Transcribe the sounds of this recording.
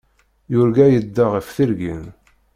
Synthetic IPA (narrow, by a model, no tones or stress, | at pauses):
jʊɾɡæjəd̪ːaʁəfθiɾɡḭn